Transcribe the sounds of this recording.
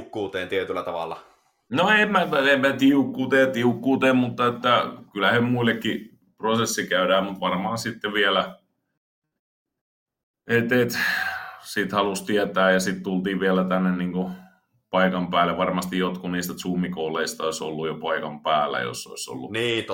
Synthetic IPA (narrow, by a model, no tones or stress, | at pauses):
kːuːt̪eːnt̪iet̪ylːˑæt̪ɑʋɑ̰lːˑɑ | noemmæt̪emːæt̪iukːuːt̪eːt̪iukːuːt̪eːmmut̪ːɑet̪ːækylæhemmuilːekːi | prosesːikæydæːmmut̪ʋɑrmɑːsit̪ːeʋiælæ | et̪et̪ | sit̪hɑlust̪iɛt̪æːjɑsit̪t̪ult̪iːʋʋiælæt̪ænːenniːŋku | pɑikɑmpæːleʋʋɑrmɑst̪ijot̪kuniːst̪æt̪suːmikoːleist̪ɑoiso̰lːujopɑikɑmpæːlːˑæ̰jo̰sːo̰iso̰lːṵniː